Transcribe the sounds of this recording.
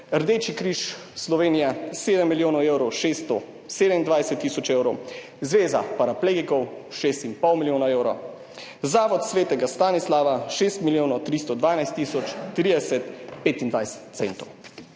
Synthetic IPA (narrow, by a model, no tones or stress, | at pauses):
əɾd̪eːt͡ʃikɾiːʃslɔʋeːnijaseːd̪ɛmːiljoːnɔwewɾɔwʃeːst̪ɔ | seːd̪ɛmind̪ʋajsɛt̪ːiːsɔt͡ʃeːwɾɔw | zʋeːzapaɾapleːɡikɔwʃest̪impɔwmilʲjoːnaewɾɔ | zaːʋɔt̪sʋeːt̪ɛɡast̪aːnislaːʋaʃeːst̪miljoːnɔt̪ɾist̪ɔd̪ʋaːnajst̪ːiːsɔt͡ʃ̪ːɾiːd̪ɛsɛt̪peːt̪ind̪ʋajsɛ̥t̪t̪sent̪ɔw